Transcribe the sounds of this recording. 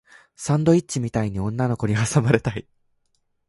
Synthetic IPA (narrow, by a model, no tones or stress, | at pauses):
sãnd̪o̞it̚t͡ɕimʲit̪aiɲ̟iõ̞nːano̞ko̞ɲ̟iasamaɾe̞t̪ai